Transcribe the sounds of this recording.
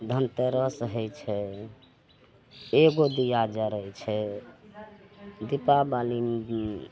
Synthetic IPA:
d̪ʱənt̪əɾəsɦəjt͡ʃʰɛ | eɡod̪ijad͡ʒəɾəjt͡ʃʰɛ | d̪ipabali

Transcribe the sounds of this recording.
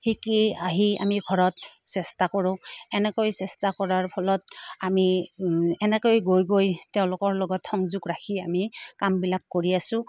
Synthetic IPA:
hikiaɦia̰miɡʱɔɹɔtsɛstakɔɹʊ̃ɛnɛkojsɛstakɔɹaɹpʰɔlɔtami | ɛnɛkojɡojɡojteʊ̃lʊkɔɹlɔɡɔtxɔŋzʊɡɹakʰiamikambilakːoɹiasʊ̃

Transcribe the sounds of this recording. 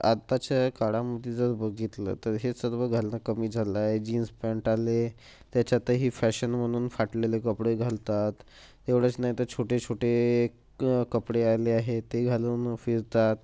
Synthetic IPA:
a̰t̪at͡ɕakaɽaməd̪ʱːed͡zəɾbəɡit̪lə̰ːt̪əɾɦesəɾʋəɡʱalnakəmiːd͡zʱalaed͡ʑinspaɳʈale | t̪jat͡ɕat̪əɦiːfæɕənm̤əɽ̃uːnfaʈlelekəpɽeɡʱalt̪at̪ː | eʋɽət͡snaɦit̪əɾt͡ɕʰoʈet͡ɕʰoʈe | kəpɽealeaɦet̪eɡʱaluːnfiɾt̪at̪

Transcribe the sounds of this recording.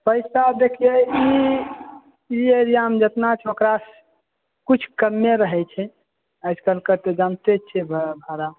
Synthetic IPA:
pəɪsad̪ekʰijei | ieɾijaɦəmd͡ʒət̪nat͡ʃʰokɾas | kut͡ʃʰkəmːeɾəɦɛt͡ʃʰɛ | əɪskəlkəɾt̪ed͡ʒant̪et͡ʃʰɛbʱbʱaɾa

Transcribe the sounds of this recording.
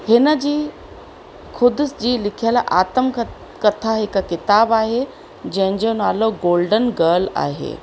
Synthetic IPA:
hɪnə̆d͡ʑiː | kʰʊd̪ʊsd͡ʑiːlɪkʰijəlʔaːt̪əmk | kɐt̪ʰaɦɪkkɪt̪aːbaːɦe | d͡ʑɐ̃ɦɪ̃ɲd͡ʑonaːloɡoːlɖənɡəːla̰ːɦḛː

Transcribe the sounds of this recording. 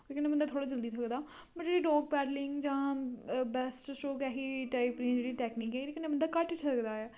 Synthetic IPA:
t̪eːkɪneːmənd̪aːt̪ʰoːɽaːd͡ʒəld̪iːt̪ʰəkd̪aː | pəd͡ʒeːɽiːɖɔːɡ̚pɛːɾlɪŋɡd͡ʒãːbɛsʈsʈoːkɛːɦiːʈaipɾĩːd͡ʒeːɽiːʈɛːkniːkɛːlekɪneːmənd̪aːkəʈɪʈʰəkd̪aːɛː

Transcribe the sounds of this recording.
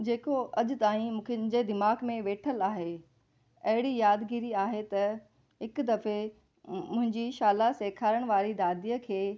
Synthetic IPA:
d͡ʑeːkoʔɐʄʊ̆t̪aːĩmũːkʰd͡ʑed̪ɪmaːɡmẽʋeːʈʰəlaːɦe | ɐɦɪɽijaːd̪ɡiːɾiaːɦet̪ɐ | ɦɪkd̪ɐfe | mʊ̃ɦɪ̃ɲd͡ʑiʃaːlaseːkʰaːɾəɽ̃ʋaːɾid̪aːd̪iːəkʰeː

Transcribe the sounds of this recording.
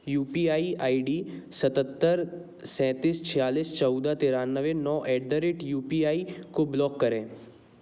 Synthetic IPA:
juːpiːaːiʔaːiɖiːsət̪ət̪ːəɾ | sɛ̃ːt̪iːst͡ʃʰɪjaːliːst͡ʃɔʊd̪at̪eːɾaːnːəʋẽnɔːʔɛːɖ̚d̪əɾeːʈjuːpiːaːikoblɔːkːəɾẽː

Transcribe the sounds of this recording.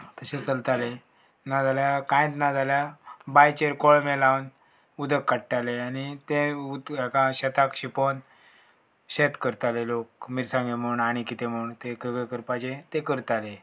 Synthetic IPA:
t̪əset͡səlt̪ale | nad͡zʱaljakãj̃t̪nad͡z̪ʱaljabajt͡ɕeɾkoɭmelawn | ud̪ʱəkːaʈʈaleañit̪ẽud̪ɛkãɕɛt̪akɕipon | ɕet̪kəɾt̪alelokmiɾsãŋɡem̤əuɳaɽ̃ikit̪em̤əuɳt̪ekəɡəkəɾpad͡ʑet̪ekəɾt̪ale

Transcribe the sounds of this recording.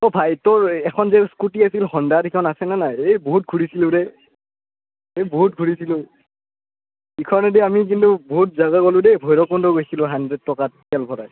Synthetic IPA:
ɔbʱajtɔɹɛkʰɔnzɛskutiasilxɔndadikʰɔnasɛnanajeboɦut̚ɡʱuɹisilʊ̃dɛ | eboɦut̚ɡʱuɹisilʊ̃ | ikʰɔɹnɔdɛamik̬intubɔɦut̚zaɡakolʊ̃dɛbʱɔjɹɔkɔndɔɡojsilʊ̃ɦandɹɛd̚tɔkatkɛlbʱɔɾa

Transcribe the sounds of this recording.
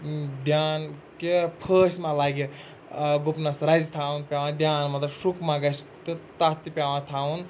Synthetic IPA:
d̪jaːn | kepʰəːsʲmãlaːɡi | ɡupnɐsɾɐzt̪ʰaunpʲaːʋãd̪ʲjaːnmɐt̪lɐsukʰmãɡɐs | t̪ɨt̪at̪ipʲjaːʋãt̪ʰaːun

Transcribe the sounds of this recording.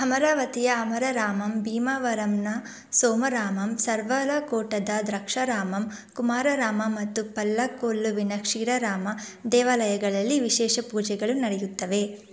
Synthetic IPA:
hɐmɐɾaːʋɐt̪ijɐːmɐɾɐɾaːmɐmbiːmaʋɐɾɐmnɐ | soːmɐɾaːmɐmsɐɾʋɐɾɐkoːʈɐd̪ɐd̪ɾɐkʂɐɾaːmɐm | kumaːɾɐɾaːmɐmɐt̪ːupɐlːɐkoːlːuʋinɐkʂiːɾɐɾaːmɐd̪ɛːʋaːlɐjɐɡɐɭɐlːiʋiʃɛːʃɐpuːd͡ʒɛɡɐɭunɐɽɛjut̪ːɐʋe̞

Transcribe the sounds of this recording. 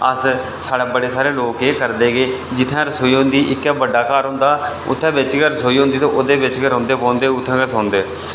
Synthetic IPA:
əs | saːɽeːbəɽeːsaːɾeːloːkeːkəɾd̪eːɡeːd͡ʒɪt̪ʰːãːɾəsoːiːɦõʊ̃nd̪iːʔɪkːɛːbəɖːaːkaːɾɦʊ̃nd̪aː | ʊ̰t̪ʰːɛ̃ːbɪt͡ʃɡəɾəsoːiːɦõnd̪iːt̪õːʔoːd̪eːbɪt͡ʃɡəɾɦʊ̃nd̪eːpõːnd̪eːʊt̪ʰːɛ̃ːkəsõːnd̪eː

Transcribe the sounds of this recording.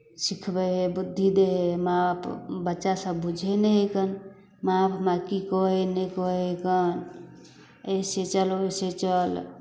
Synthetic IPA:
sikʰbɛɦebud̪ʱːid̪eɦemapʰbətːʃasəbbud͡ʒʱeneɦekən | mapʰmakikɔɦenekɔɦeɦekən | eset͡ʃəloset͡ʃəl

